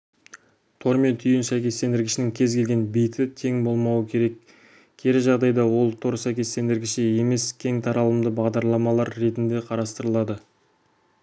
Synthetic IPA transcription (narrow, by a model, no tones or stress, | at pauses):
t̪ʰo̞ɾme̞nt̪ʰʏjɪnsæjkʲe̞st̪e̞nd̪ɪɾɡʲɪʃɪnɪŋkʲʰe̞zkʰʲe̞lʲɡʲe̞nbijt̪ɪt̪ʰe̞ŋbo̞lˠmɑwəkʲʰe̞ɾe̞k | kʲʰe̞ɾɪʒɑʁd̪ɑjd̪ɑwo̞lˠt̪ʰo̞ɾsæjkʲe̞st̪e̞nd̪ɪɾɡʲɪʃɪe̞me̞skʲʰe̞ŋt̪ʰɑɾɑlˠəmd̪əbɑʁd̪ɑɾlˠɑmɑlˠɑɾːe̞t̪ɪnd̪e̞qʰɑɾɑst̪əɾəlˠɑd̪ə